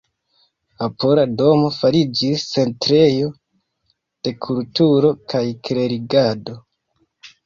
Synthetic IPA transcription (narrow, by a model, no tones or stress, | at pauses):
apoɾado̞mo̞faɾid͡ʒist͡se̞ntɾe̞jo̞ | d̥e̞kʰultuɾo̞kʰajkɾe̞ɾiɡado̞